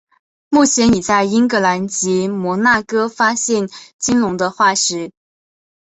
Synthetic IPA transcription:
mu˥˩t͡ɕʰjɛ˧˥ni˨˩t͡sa˥˩ɪi˥ŋkɤ˧˥la˧˥nt͡ɕi˧˥mwɔ˧˥na˥˩kɤ˥fa˥ɕjɛ˥˩nt͡ɕi˥nlʊ˧˥ŋd̪ə˧xwa˥˩ʂɻ̩˧˥

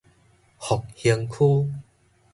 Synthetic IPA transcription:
hɔ˨˩k̚hi˧ŋkʰuː˦

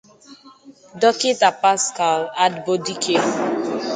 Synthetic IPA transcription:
dɔ˦ke˦ta˨pa˦ska˨la˦dbo˦di˦kʰe˦

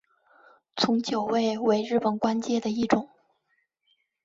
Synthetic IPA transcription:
t͡sʰʊ˧˥ŋt͡ɕjo˨˩ʊwe˥˩ɪwe˧˥ɪɻɻ̩˥˩pə˨˩nkwa˥nt͡ɕjɛ˥d̪ə˨i˥˩ʈ͡ʂʊ˨˩˦ŋ

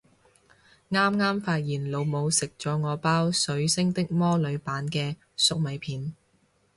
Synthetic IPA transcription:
ŋaː˥mŋaː˥mfaː˧t̚jiː˨˩nlo˨˧wmo˨˧wsɪ˨k̚t͡ʃt͡sɔː˨˧ŋɔː˨˧paː˥wsɵ˨˧˥ɥsɪ˥ŋt̪ɪ˥k̚mɔː˥lɵ˨˧ɥpaː˨˥nkɛː˧ | sʊ˥k̚mɐ˨˧jpʰiː˨˧n

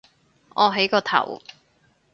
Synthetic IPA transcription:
ʔɔː˨˧ɦe˨˥jkɔː˧t̪ʰɐ̰˨˩w

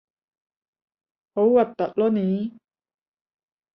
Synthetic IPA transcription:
ho˨˦wwɐ˨˩t̪ːɐ˨t̚lɔ˦˥ni˨˦

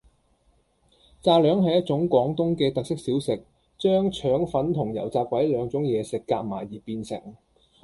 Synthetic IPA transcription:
t͡saː˧lœː˨˥ŋɦɐ˨jɐ˥t̚t͡sʊ˨˥ŋkʷɔː˨˥ŋt̪ʊ˥ŋkɛː˧t̪ɐ˨k̚sɪ˥k̚siː˨˥wsɪ˨k̚ | t͡ʃœː˥ŋt͡ʃʰœː˨˥ŋfɐ˨˥nt̪ʰʊ˨˩ŋjɐ̰˨˩wt͡saː˧p̚kʷwɐ˨˥jlœː˨˥ŋt͡sʊ˨˥ŋjɛː˨˧sɪ˨kːa̰ː˧˥k̚ma̰ː˨˩jjiː˨˩piː˧nsɪ̰˨˩ŋ

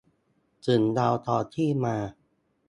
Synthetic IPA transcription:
t͡ɕɯ˨˩˦ndaː˧wt̪ʰɔː˧t̪ʰiː˥˩maː˧

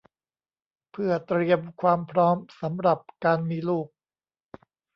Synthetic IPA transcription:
pʰɯ˥˩ɐt̪ɾi˧əmkʰwaː˧mpʰɾɔː˦˥msa˩˦mɾa˨˩p̚kaː˧nmiː˧luː˥˩k̚

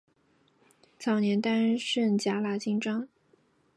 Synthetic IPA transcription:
t͡sʰɑ˨˩ʊnjɛ˧˥nt̪a˥nʂə˥˩nt͡ɕja˧˥la˨˩t͡ɕi˥ŋʈ͡ʂɑ˥ŋ

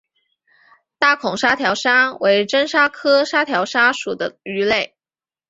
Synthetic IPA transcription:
t̪a˥˩kʰʊ˨˩ŋʂa˥t̪ʰjɑ˧˥ʊʂa˥we˧˥ɪʈ͡ʂə˥nʂa˥kʰɤ˥ʂa˥t̪ʰjɑ˧˥ʊʂa˥ʂu˨˩d̪ə̰˦y˧˥le˥˩ɪ

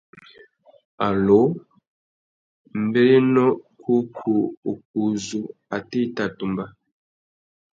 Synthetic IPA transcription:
a˨lo˦ | m˦be˦nɔ˦kʰu˦kʰu˨o˨k̚u˨zu˨ | a˨te˦˨ta˨tu˨mba˦

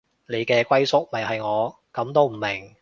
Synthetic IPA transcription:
le˨˧jkɛː˧kʷɐ˥jsʊ˥k̚mɐ˨˩jɦɐ˨jŋɔː˨˧ | kɐ˨˥mt̪o˥wm̩˨˩mɪ˨˩ŋ

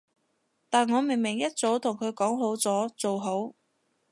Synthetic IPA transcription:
t̪aː˨nŋɔː˨˧me˨˩ŋmɪ˨˩ŋjɐ˥t̚t͡so˨˥wt̪ʰʊ˨˩ŋkʰɵ˨˧ɥkɔː˨˥ŋɦo˨˥wt͡sɔː˨˥t͡so˨wɦo˨˥w

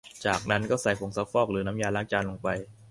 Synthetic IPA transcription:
t͡ɕaː˨˩k̚na˦˥nkɔː˥˩sa˨˩˦jpʰo˨˩˦ŋsa˧˦˥wfɔː˥˩k̚ɾɯː˩˦na˦˥mjaː˧laː˥˩ŋt͡ɕaː˧nlo˧ŋpa˧j

